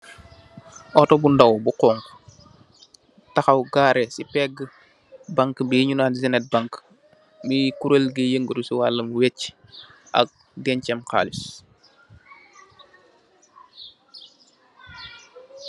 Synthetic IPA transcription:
ʔɔtɔbundawbuqɔːŋk | tɐxɐwɡaːɾɛsipɛɡə | baŋkbiɲunaːnzinɛt̚baŋk | mikuɾəlɡəjəŋɡəɾusiwaːlːəmwet͡ʃ | ʔɐ̰k̚ | dɛncɛmka̰ːlis

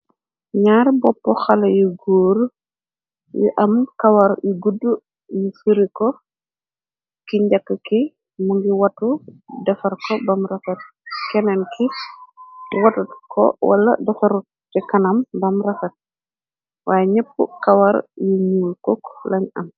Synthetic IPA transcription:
ɲaːɾbɔpːɔxɐlɐjuɡuːɾ | jṵʔɐmkɐwɐɾjuɡudːu | mufiɾikɔ | kiɲɟɐkːəki | muŋɡiwɐtudɐfɐrkɔbɐmrɐfɐt̚ | kɛnɛnkʰi | wɐtɐtkʰɔ̰wɐ̰lːɐ̰dɐfɐɾu | tikɐnɐmbɐmrɐfɐt̚ | wʔaːjɛɲɛpːṵkɐwɐɾjuɲuːlkɔklɐɲɐm

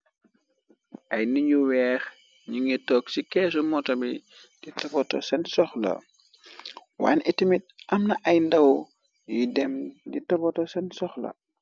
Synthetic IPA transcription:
ʔɐjniɲuwɛːx | ɲuŋitɔksikɛːsumɔtɔbi | d̥itɐbɔtɔ̰sɛnsɔxlɐ̰ | wa̰ːnɛtimit̚ʔɐmnɐʔɐjndɐw | jidɛmditɐbɔtɔsɛnsɔxlɐ̰

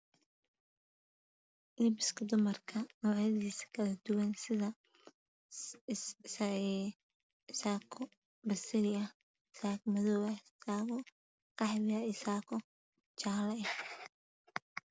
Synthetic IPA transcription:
ʔibɪskʰɐd̪ʊmɐrkʰɐnɐwʕjɐðiːsɐ̥kʰɐlɐd̪̥ʊwɐnsɪðɐ | s | saːkʰɔ | bɐsɪlɪɐ | ɪsaːkmɐðɔwɐsaːɣɔ | qɑħβɪɐɪsaːkʰɔ | t͡ʃaːlɐ

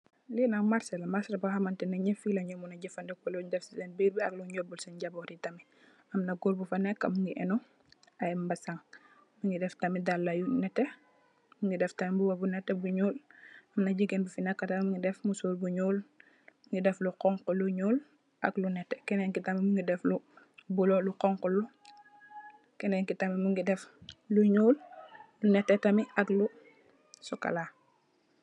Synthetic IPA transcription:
linɐkmaɾsɐlɐmaɾslɐbahɐmɐntɛnɐɲifilɐɲɔmunɐɟɛfɐndɛkːɔluɲdɛfsisɛnbiːɾbiɐ̰kluɲɔbulsɛɲɟɐbɔɾitɐmi | ɐmnɐɡɔlbufɐnɛkːɐ̰muŋɡiʔɛnɔ | ɐjbɐsaŋ | miŋɡidɛftɐmidalːɐjunɛtːɛ | muŋɡidɛftɐmibuwɐbunɛtːɛbuɲuːlɐmnaɟiɡenbufinakːatammuŋɡidɛfmusuːlbuɲuːl | muŋɡidɛfluqɔŋkuluɲuːl | ʔaɡlunɛtːɛkɛnɛŋkitamimuŋɡidɛflu | bulɔluqɔŋkɔlu | kɛnɛŋkitamimuŋɡidɛfluɲuːllunɛtːɛtamiʔaɡlu | sɔka̰la

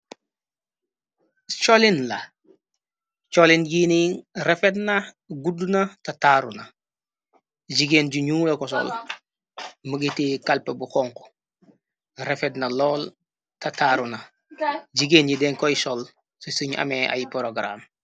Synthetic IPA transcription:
t͡ʃolinla | t͡ʃolinjiniɾefetna | ɡudunatataɾuna | d͡ʒiɡenɟuɲuːlɐkɔs̬ɔ̰l | məɡitikalpebuxɔŋko̥ | ɾefɛtnɐlɔːl | tɐtaːɾuna | d͡ʒiɡeːnjidɛŋkɔjisɔl | susuɲa̰meʔa̰jpɾoɡɾa̰m

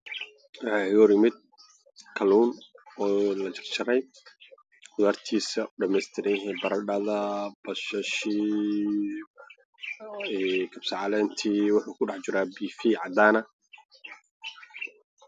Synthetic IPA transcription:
wahɪɣɔɾjɪmɪd̪̚ | kʰɐluːnɔːlɐt͡ʃɪrt͡ʃɐɾɛj | ɡʊðaːrt̪ʰiːsɐɖɐmɛːst̪ʰɪɾɛjɦɛbɐɾɐɖɐðɐbɐʃɐʃi | kʰɐbsɑʕɑlɛːnt̪ʰiːwʊħuːkʰʊɖɑħt͡ʃɪɾaːbiːfiːʕɑd̪aːnɐ

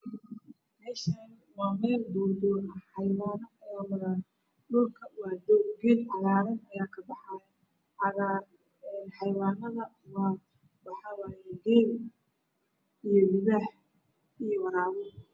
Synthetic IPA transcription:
mɛːʃan | maːmɛːlbɔːd̪ɔħɑjwaːnɔɔː | ɗʊlkʰɐwɑːd̪ɔɡilʕɑðaːɾɐnɐjaːkʰɐbɑħajɛ | ʕɑaː | nħɑjwaːnːɐðɐ | waː | wɑħɑːwaːjɛɡɛn | ijɔmʊðaħ | ijɔwɑɾaːβɔ

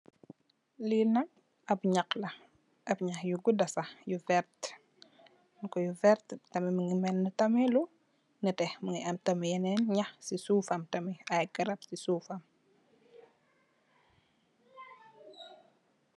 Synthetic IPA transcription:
linɐk̚ | ɐbɲɐklɐ | ʔɐbɲɐxjuɡudɐsɐjuvɛɾt | nkɔjuvɛɾttɐmɛməŋimɛnːətɐmɛlu | nətɛhməŋiɐmtɐmijɛnɛnɲɐxsisuːfɐmtɐmiɐjɡɐɾɐpsisuːfɐm

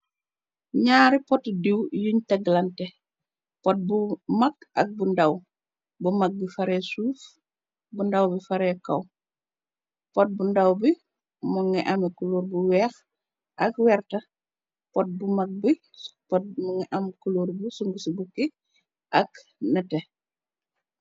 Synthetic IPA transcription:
ɲaːɾipɔtdiwjuɲtɐɡlɐntɛ | pɔt̚bumɐkɐ̰k̚bundɐw | bumɐk̚bifɐɾɛsuːf | bundɐwbifɐɾɛkɐ̰w | pɔt̚bundɐwbi | mɔŋɛʔɐmɛkuloːɾbuwɛːx | ʔɐkwɛːrtɐ | pɔt̚bumɐk̚bi | pɔt̚mŋiʔɐmkuloɾbusuŋɡusibuki | ʔɐknɐtɛ

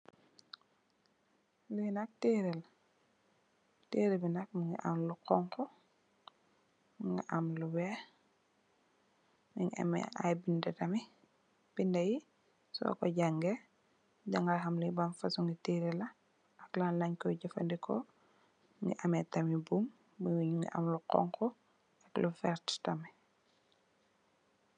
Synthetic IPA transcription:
lunɐk̚tiɾɛl | teːɾɛbinak̚muŋɡiʔa̰mluqɔŋkɔ | mŋɡiʔamluwɛ | ŋiŋʔɐ̰mɛ̰a̰jbindɐtɐmi | b̥indɐji | sɔ̰kɔ̰ɟaŋɡɛ | ɟaŋɡɐlxɐmlubɐmfɐsuŋɡitiːɾilɐ | ʔɐklanlɐɲkɔɟɐfɐndikɔ | ŋɡḭʔɐmɛtɐmibum | buɲŋɡiʔɐa̰mluqɔ̰ŋkɔ | ɐklufɛɾttɐmi

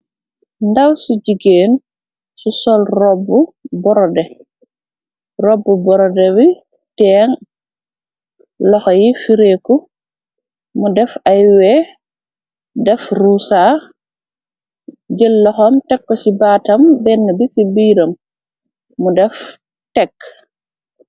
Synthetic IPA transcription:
ndɐwsuɟiɡeːn | susɔlrɔbːubɔɾɔdɛ | rɔbːubɔɾɔdɛwi | tɛːŋ | lɔxɔjifiɾeːkːu | mudɛfajwɛ | dɛfrusa | ɟəlːɔxɐmtɛkːɔsibaːtɐmbɛnːəbisibiːɾɐmː | udɛf | tɛkː

